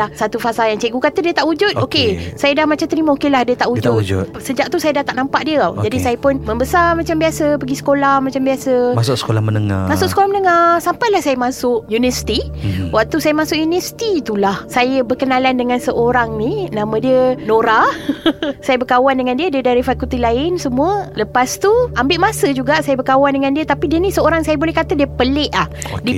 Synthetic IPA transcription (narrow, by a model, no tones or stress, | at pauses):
ahsat̪ufasajaŋt͡ʃeʔɡukat̪ədiət̪aʔud͡ʒʊt̪okesajədahmat͡ʃamt̪əɾimaokelahdiət̪aʔud͡ʒʊt̪d͡ʒṵt̪səd͡ʒaʔ̚t̪usajədat̪akʔ̚nampaʔdiəad͡ʒadisajəpʊnməmbəsamat͡ʃambiasəpəɡisə̥kolahmãt͡ʃambiasəmasʊksə̥kolahmənəŋa̰masʊksə̥kolahmənəŋasampajlahsajəmasʊʔjunəsi̥t̪iwak̚t̪usajəmasʊʔjunəsi̥t̪it̪ulahsajəbəkənalandəŋansəʔoɾaŋninãmə̃diənoɾa | sajəbəkawandəŋandiədiədaɾifakut̪ilaɪnsəmũələpast̪uambɪʔmasəd͡ʒuɡaʔsajəbəkawandəŋãndiət̪apidiənisəoɾaŋsajəbolɛhkat̪adiəpəlɛʔlahdi